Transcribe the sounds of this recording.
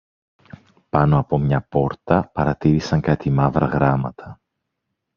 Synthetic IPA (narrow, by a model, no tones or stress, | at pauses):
pɐno̞ɐpo̞mɲɐpo̞ɾt̪ɐpɐɾɐt̪iɾisɐŋkɐt̪imɐvɾɐɣɾɐmɐt̪ʰɐ